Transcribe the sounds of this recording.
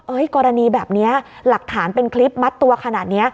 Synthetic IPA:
ʔɤ˦˥jkɔː˧ɾa˧niː˧bɛː˨˩p̚ni˦˥ɐ | la˨˩k̚t̪ʰaː˩˦npe˧nkʰli˦˥p̚ma˦˥t̪ːu˧ɐkʰa˧naː˨˩t̪̚ni˦˥ɐ

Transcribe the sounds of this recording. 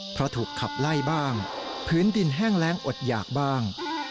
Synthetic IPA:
pʰɾɔ˦˥t̪ʰuː˨˩kʰːa˨˩p̚la˥˩jbaː˥˩ŋpʰɯː˦˥ndi˧nɦɛː˥˩ŋlɛː˦˥ŋʔo˨˩t̪̚jaː˨˩k̚baː˥˩ŋ

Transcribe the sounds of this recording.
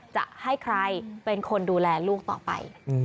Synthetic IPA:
t͡ɕa̰˨˩ʔha˥˩jkʰɾa˧jpe˧nkʰo˧nduː˧lɛː˧luː˥˩k̚t̪ɔ̰ː˨˩pa̰˧j

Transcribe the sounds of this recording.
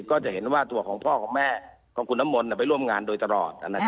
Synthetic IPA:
kɔː˥˩t͡ɕa˨˩ʔɦe˩˦nwaː˥˩t̪u˧ɐkʰɔː˩˦ŋpʰɔː˥˩kʰɔː˩˦ŋmɛː˥˩ | kʰɔː˩˦ŋkʰu˧nːa˦˥mːo˧nːi˧˩pa˧jɾu˥˩əmŋaː˧ndoː˧jt̪a˧lɔ̰ː˨˩t̪̚ʔa̰˧nːa˦˧

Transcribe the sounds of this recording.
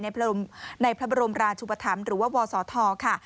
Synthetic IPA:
na˧jpʰna˧jpʰɾa˦˥ba˧ɾo˧mɾaː˧t͡ɕʰuː˧pa˧t̪ʰa˩˦mɾɯː˩˦waː˥˩wɔː˧sɔː˩˦t̪ʰɔː˧kʰa˥˩

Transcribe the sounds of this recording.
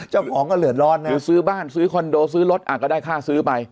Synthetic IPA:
t͡ɕaː˥˩wkʰɔː˩˦ŋkɔː˥˩lɯ˨˩ət̪̚lɔː˦˧˥nnː˦˧˩sɯː˦˥baː˥˩nsɯː˦˥kʰo˧ndoː˧s̬ɯː˦˥lo˦˥t̪̚ʔa̰ː˨˩kɔː˥˩daː˥˩jkʰaː˥˩sɯː˦˥pa˧j

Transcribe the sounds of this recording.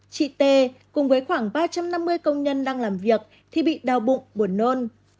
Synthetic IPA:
t͡ɕḭ˧˨t̪e˧˩kʊ˨˩ŋ͡mvəː˨˦jxwaː˧˩ŋɓaː˧t͡ɕa˧mna˧mːɨ˧əjkə˧wŋ͡mɲə˧nɗaː˧ŋlaː˨˩mvi˨˩ək̚ | t̪ʰi˨˩ɓḭ˧˨ɗaː˨˩wɓʊ̰˧˨ŋ͡mɓu˧˩ənːo˧n

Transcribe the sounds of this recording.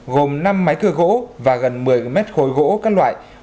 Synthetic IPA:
ɣo˨˩mna˧mːa˨˦jkɨ˧ɣo̰˧˥vaː˨˩ɣə˨˩nmɨ˨˩əjmɛ˦˥t̚xo˨˦jɣo̰˧˥kaː˦˥k̚lwa̰ː˧˨j

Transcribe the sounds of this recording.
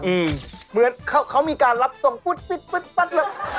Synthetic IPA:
ʔɯː˧˩mmɯ˨˩˦ənkʰa˦˥wkʰa˦˥wmiː˧kaː˧nɾa˦˥p̚so˨˩ŋfʰu˦˥˩t̪̚pi˧˥˩t̪̚pi˦˥˩t̪̚pa˦˥t̪̚lɛ˧˩

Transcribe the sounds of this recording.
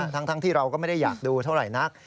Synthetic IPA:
t̪ʰa˦˥ŋt̪ʰa˦˥ŋt̪ʰiː˥˩ɾa˧wkɔ˥˩ma˥˩jda˥˩jaː˨˩k̚duː˧t̪ʰa˥˩wɾa˨˩jna˦˥k̚

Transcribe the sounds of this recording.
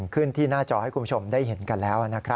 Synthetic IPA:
ŋkʰɯ˥˩nt̪ʰiː˥˩naː˥˩t͡ɕɔː˧ha˥˩kʰu˧˦˥t͡ɕʰo˧mdaː˥˩jɦe˩˦nka˧nlɛː˦˥wʔa˨˩na˦˥kʰɾa˦˥

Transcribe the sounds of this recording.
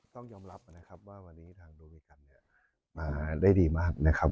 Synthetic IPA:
t̪ɔ˥˩ŋjɔː˧mɾa˦˥p̚na˦˥kʰa˦˥p̚waː˥˩wa˧nːiː˦˥t̪ʰaː˧ŋduː˧wiː˧ka˧˩nːi˥˩ɐ | maː˧da˥˩jdiː˧maː˥˩k̚na˦˥kʰa˦˥p̚

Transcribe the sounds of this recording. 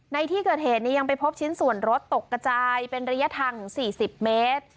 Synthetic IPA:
na˧jt̪ʰiː˥˩kɤː˨˩t̪̚heː˨˩t̪̚ni˦˥˩ja˧ŋpa˧jpʰo˦˥p̚t͡ɕʰi˦˥nsu˨˩ənɾo˦˥t̪ːo˨˩kːa˧t͡ɕaː˧jpe˧nɾa˦˥ja˦˥t̪ʰa˧ŋsiː˨˩si˨˩p̚meː˦˥t̪̚

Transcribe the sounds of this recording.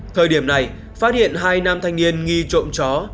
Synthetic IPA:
t̪ʰəː˨˩jɗi˧˩əmna˨˩j | faː˦˥t̚hḭ˧˨ənɦaː˧jnaː˧mt̪ʰa˧jŋ̟ni˧ənŋi˧t͡ɕo̰˧˨wŋ͡mt͡ɕɔ˨˦

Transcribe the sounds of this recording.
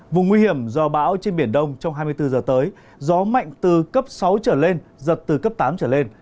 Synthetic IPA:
vʊ˨˩ŋ͡mŋwi˧hi˧˩əmzɔ˧˩ɓa̰ː˧˥wt͡ɕe˧nɓi˧˩ənɗə˧wŋ͡mt͡ɕɔ˧wŋ͡mɦaː˧jmɨ˧əjt̪ɨ˧zəː˨˩t̪əː˨˦j | zɔ˨˦ma̰˧˨jŋ̟t̪ɨ˨˩kə˦˥p̚sa˨˦wt͡ɕəː˧˩le˧nzə˨˩t̚t̪ɨ˨˩kə˦˥p̚t̪aː˨˦mt͡ɕəː˧˩le˧n

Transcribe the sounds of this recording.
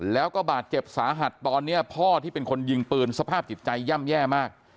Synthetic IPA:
lɛː˦˥wkɔː˥˩baː˨˩t̪̚t͡ɕe˨˩p̚saː˩˦ɦa˨˩t̪ːɔː˧nːi˦˥ɐpʰɔː˥˩t̪ʰiː˥˩pe˧nkʰo˧nji˧ŋpɯː˧nsa˧pʰaː˥˩p̚t͡ɕi˨˩t̪̚t͡ɕa˧jːa˥˩mjɛː˥˩maː˥˩k̚

